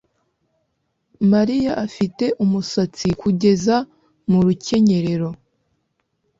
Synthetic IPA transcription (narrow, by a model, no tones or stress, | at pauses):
maɾijaʔafite̞ʔumusat͡sikuɟe̞za | muɾuce̞ɲe̞ɾe̞ɾo̞